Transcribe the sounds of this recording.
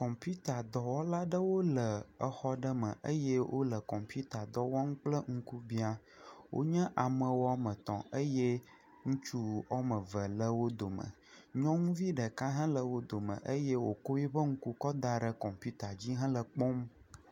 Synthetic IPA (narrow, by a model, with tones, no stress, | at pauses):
kɔ̃˨mpju˦t̪a˨d̪ɔ˨wɔ˦la˦ɖə˦wo˦lə˨ə˨xɔ˦ɖə˦mə̃˨ʔə̰˦jɛ˦wʔo̰˦lə˨kɔ̃˨mpu˦t̪a˨d̪ɔ˦wɔ˦ŋũ˦k͡plə˦ŋ̩˦ku˦bi˦a˦ | wo̰˦ɲɛ̃˦ʔa˨mə̃˨wo˦a˦mə˨t̪ɔ̰̃˨ʔə˦je˦ | ŋũ˦t͡ʃu˦ɔ˦mə˨və˨lə˦wo˦d̪o˨mə̰̃˨ | ɲɔ̃˦ŋũ˦vi˦ɖə˨ka˦ɦã˦lə˨wo˦d̪o˨mə̰̃˨ʔə˦je˦wo˨ko˦ji˦ɸə˦ŋ̩˦ku˦kɔ˦d̪a˨ɖə˨kɔ˨mpu˦t̪a˨d͡ʑi˦ɦã˦lə˨k͡pɔ˦m